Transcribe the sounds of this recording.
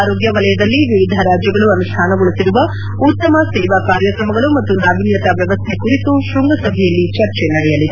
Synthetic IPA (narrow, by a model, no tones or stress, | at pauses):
ɾoːɡjɐʋɐlɐjɐd̪ɐlːiʋiʋid̪ʱɐɾaːd͡ʒjɐɡɐɭuɐnuʂʈʰaːnɐɡoɭusiɾuʋɐ | ut̪ːɐmɐsɛːʋakaːɾjɐkɾɐmɐɡɐɭumɐt̪ːunaːʋinjɐt̪ɐʋjɐʋɐst̪ʰe̞kuɾit̪uʃɾuŋɡɐsɐbʱɛjɐlːit͡ʃɐɾt͡ʃenɐɽɛjɐlid̪